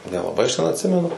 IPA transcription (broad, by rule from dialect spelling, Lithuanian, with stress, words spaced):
nʲɛlˠɐˈbɐɪ ɐʃ tʲɛn ɐtʲˈsʲɪmʲɛnʊ